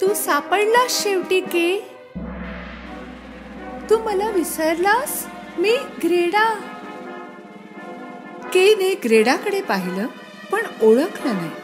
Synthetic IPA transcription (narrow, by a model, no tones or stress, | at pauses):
t̪uːsapəɽlaɕeʋʈiːke | t̪uːməlaʋisəɾlas | miːɡɾeɽa | keneɡɾeɽakəɽepaɦiləː | pəɳoɭəknana